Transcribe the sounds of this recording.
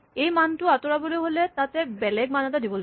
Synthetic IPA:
ejmantʊatɔɹaboloɦolɛtatɛbɛlɛɡ̚manɛtadibɔlo

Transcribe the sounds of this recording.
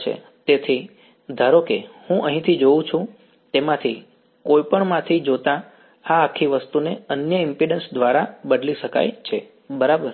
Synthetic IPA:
t͡ʃʰḛ | t̪et̪ʰi | d̪ʱaɾokehũʔəɦĩt̪ʰid͡ʒoũt͡ʃʰũ | t̪emãt̪ʰi | kojpəɳmãt̪ʰid͡ʒot̪ã | aːkʰːiʋəst̪uneənjəɪmpiɖənsd̪ʋaɾabəd̪liʃəka̰jt͡ʃʰe | bəɾabəɾ

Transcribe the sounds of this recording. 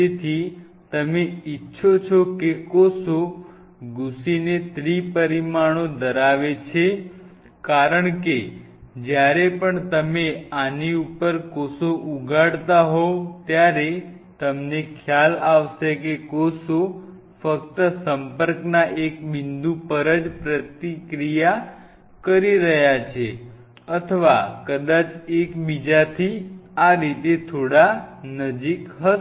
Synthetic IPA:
et̪ʰi | t̪əmeitːʃʰot͡ʃʰokekoso | ɡusinet̪ɾipəɾimaɽ̃õd̪əɾaʋet͡ʃʰe | kaɾəɳke | d͡ʒjaɾepəɳt̪əmeaniupəɾkosoʔuɡʱaɽt̪aɦot̪jaɾet̪əmnekʰjalaʋʃekekoso | fəkt̪əsəmpəɾknaʔekbind̪upəɾəd͡ʒpɾət̪ikɾija | kəɾiɾəɦjat͡ʃʰe | ət̪ʰəʋakəd̪at͡ʃekbid͡ʒat̪ʰiaɾit̪et̪ʰoɽanəd͡ʒikɦə

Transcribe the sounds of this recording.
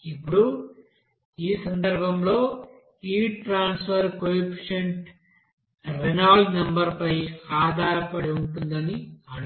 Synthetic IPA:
ipːuɽu | iːsɐnd̪ɐɾbʱɐmlo̞ː | iːʈɾaːnsfɐɾkojpʂeɳʈ | ɾenaːlnɐmbɐɾpɐjaːd̪ʱaːɾɐpɐɽiuɳʈund̪ɐniɐɽ

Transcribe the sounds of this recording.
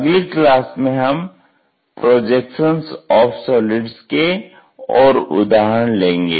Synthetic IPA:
ɐɡliklaːsmẽɦɐm | pɾoːd͡ʒeːkʃənsɔːfsoːlɪɖske | ɔːɾʊ̰d̪aːɦəñlẽːŋɡḛː

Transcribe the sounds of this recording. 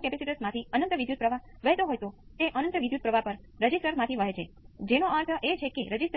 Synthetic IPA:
kɛpɛsiʈəsmãt̪ʰiənənt̪əʋid̪jud̪̚pɾəʋaʋəɦet̪oɦojt̪ot̪eʔənənt̪əʋid̪jud̪̚pɾəʋʱapəɾːəd͡ʒisʈəɾmãt̪ʰiʋəɦet͡ʃʰe | d͡ʒenoəɾt̪ʰəʔet͡ʃʰekeɾəd͡ʒisʈ

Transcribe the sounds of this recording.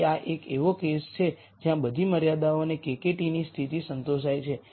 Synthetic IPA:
aʔekeʋokest͡ʃʰe | d͡ʒjãbəd̪ʱiməɾjad̪aonekekeʈinist̪ʰit̪isənt̪oʃajt͡ʃʰe

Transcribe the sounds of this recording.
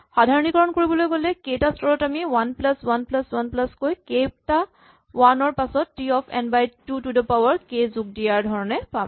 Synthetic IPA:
xadʱaɹɔnikɔɹɔnkoɹibɔlojɡolɛkejtastʰɔɹɔtamiwanplaswanplaswanplaskojkejp̚ta | wanɔɹpasɔtːiɔpʰɛ̰nbajtutudəpawɔɹkezuk̚dijaɹdʱɔɹɔnɛpam

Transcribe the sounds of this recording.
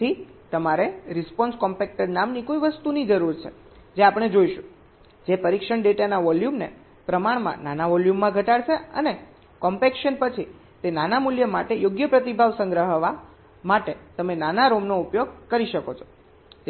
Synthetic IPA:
it̪əmaɾeɾɪspɔnskɔmpek̚ʈəɾnamnikojʋəst̪unid͡ʒəɾuɾt͡ʃʰe | d͡ʒeapəɽ̃ed͡ʒoiʃũ | d͡ʒepəɾikʃəɳɖeʈanaʋɔljumnḛ | pɾəmaɽmã̰nanaʋɔljumːãɡʱəʈaɽʃʰeəne | kɔmpekʃənpət͡ʃʰi | t̪enanamuljəmaʈejoɡjəpɾət̪ibʱaʋsə̃ŋɡɾəɦəʋa | maʈet̪əmenanaɾomnoupjoɡkəɾiʃəkot͡ʃʰo̥

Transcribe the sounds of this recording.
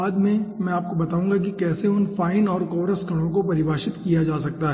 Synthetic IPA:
aːd̪mẽmɛ̃aːp̚kobɐt̪aːũːŋɡakikɛːseʊnfaːɪnɔːɾkɔːɾəsɡɐɽ̃õk̬opɐɾɪbʱaːʃɪt̪kijad͡ʒaːsɐk̚t̪aɦɛː

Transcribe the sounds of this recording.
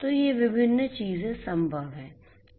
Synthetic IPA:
t̪ojeʋɪbʱɪnːt͡ʃiːzẽsɐ̃mbʱəʋɦɛː

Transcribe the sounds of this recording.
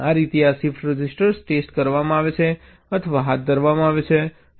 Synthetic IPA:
aɾit̪iasifʈɾəd͡ʒisʈəɾsʈesʈkəɾʋamãaʋet͡ʃʰe | ət̪ʰəʋaɦat̪̚d̪ʱəɾʋamãaʋet͡ʃʰe

